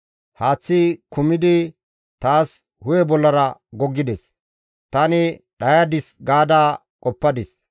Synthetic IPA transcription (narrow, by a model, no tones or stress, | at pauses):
haːt͡sːɪkʊmɪd̪ɪ | t̪aːs | hʊjɛbɔlːɐɾɐɡɔɡːɪd̪ɛs | t̪ɐnɪ | ɗɐjad̪ɪsɡaːd̪aː | kʼɔpːɐd̪ɪs